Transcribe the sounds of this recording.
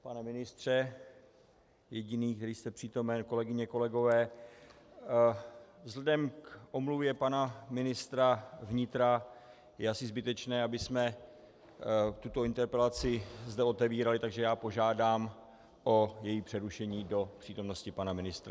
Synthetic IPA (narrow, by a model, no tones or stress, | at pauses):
panɛmɪnɪst̪r̝̥ɛ | jɛɟɪniːk̚t̪ɛɾiːst̪ɛpr̝̥iːt̪o̞mɛnko̞lɛɡɪɲɛko̞lɛɡo̞vɛː | vzlɛdɛmkʔo̞mluvjɛpanamɪnɪst̪ɾavɲɪt̪ɾa | jɛasɪzbɪt̪ɛt͡ʃnɛːabɪsmɛ | t̪ut̪o̞ɪnt̪ɛɾpɛlat͡sɪzd̪ɛo̞t̪ɛviːɾalɪt̪aɡʒɛjaːpo̞ʒaːdaːm | ʔo̞jɛjiːpr̥ɛɾuʃɛɲiːdo̞pr̥iːt̪o̞mno̞scɪpanamɪnɪst̪ɾa